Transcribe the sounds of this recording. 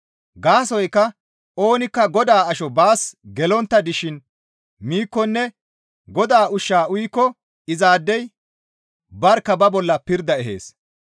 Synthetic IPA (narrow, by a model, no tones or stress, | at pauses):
ɡaːsɔjkːɐ | ʔo̞ːnɪkːɐɡɔd̪aːɐʃɔbaːsɡɛlɔnt̪ːɐd̪ɪʃɪn | miːkːɔnːɛ | ɡɔd̪aːʔʊʃːaːʊjkːɔ | ɪzaːd̪ːɛj | bɐɾkːɐbɐbɔlːɐpɪɾd̪ɐɛɦḛːs